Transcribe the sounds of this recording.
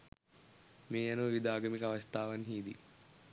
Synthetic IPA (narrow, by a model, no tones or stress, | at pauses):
meːjɐnuʋid̪aːɡɐmikɐʋɐst̪ʰaːʋɐnɦiːd̪ḭ